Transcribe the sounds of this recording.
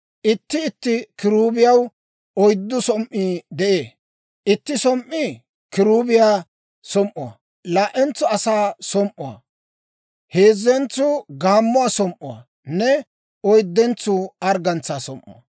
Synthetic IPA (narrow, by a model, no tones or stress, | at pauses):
ʔɪt̪ːɪɪt̪ːɪkɪɾuːbɪjɐw | ɔjd̪ːʊsɔmʔːiːd̪ɛʔeː | ʔɪt̪ːɪsɔmʔːi | kɪɾuːbɪjaː | sɔmʔʊa̰ | laːʔɛnt͡sːɔɐsaːsɔmʔʊɐ̰ | he̞ːzːɛnt͡sːʊɡaːmːʊasɔmʔʊwa̰ | nɛ | ɔjd̪ːɛnt͡sːʊɐɾɡɐnt͡sːaːsɔmʔːʊ̰a̰